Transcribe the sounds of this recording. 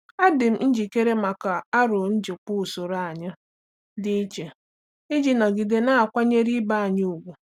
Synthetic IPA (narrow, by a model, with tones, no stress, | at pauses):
a˦dɪ˨m̩˦n̩˦d͡ʒi˨ke˦ɾe˦ma˨ka˨a˦ɾʊ˨n̩˦d͡ʒɪ˨k͡pʊ˦˨so˨ɾa˨a˨ɲa˦ | dɪ˦i˦t͡ʃe˨ | i˦d͡ʒi˦na˨ɡi˨de˨na˦a˨kʷa˦ɲe˦ɾi˦ba˦˨ɲʊ˦u˨ɡʷʊ˨